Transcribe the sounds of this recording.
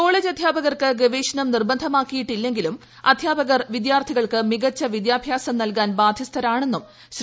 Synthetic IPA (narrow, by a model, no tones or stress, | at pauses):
ko̞ːɭeːd͡ʑɐd̪ʱjaːbɐɣɐrkɨɡeʋeːɕɐnɐmnirbɐnd̪ʱɐmaːkːijiʈːilːe̞ŋɡilum | ɐd̪ʱjaːbɐɣɐrʋid̪jaːrt̪ʰiɣɐɭkɨmiɣɐt͡ɕːɐʋid̪jaːbʱjaːsɐmnɐlkaːnbaːd̪ʱjɐst̪ʰɐɾaːɳe̞nːum | ɕ